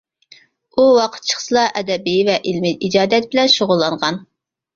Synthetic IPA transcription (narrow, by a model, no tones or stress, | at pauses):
uwɑqʰə̥t̪̚t͡ʃʰə̥χsɨlˠɑʔɛd̪ɛbivɛʔilmɪid͡ʒɑːd̪ɛt̪̚bɪlɛnʃoʁʊlˠːɑɴʁɑn